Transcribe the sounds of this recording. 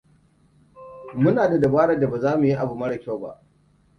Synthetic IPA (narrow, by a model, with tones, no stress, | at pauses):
mʊ˦naː˨da˨da˨baː˦ɽa˦˨da˨ba˨zaː˦mu˨ji˦ʔa˨bu˨mɐ˦ɽɐ˨kʲo˦˨ba̰˦ʔ